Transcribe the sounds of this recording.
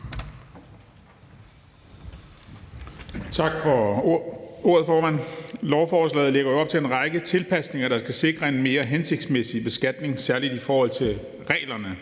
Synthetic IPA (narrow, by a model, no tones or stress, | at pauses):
t͡sʰɑ̈ɡ̥fɒ | o̝ɐð̞̩ˠfɒːmæn̰lɒʊfɒːslɛ̰ːð̩ˠleɡ̥ɐjoɒ̽b̥̚t͡sʰe̝e̝nʁɑ̈ɪɡ̥ət͡sʰe̝lpʰæsne̝ŋɐd̥ɑ̈sɡ̥æse̝ɡ̥ʁɐe̝nme̝ːɐɦense̝ɡ̥d̥smesib̥e̝sɡ̥æd̥ne̝ŋsæɐlid̥ifɒːhɒ̽l̰t͡sʰe̝ | ʁɛ̰ːlɐnə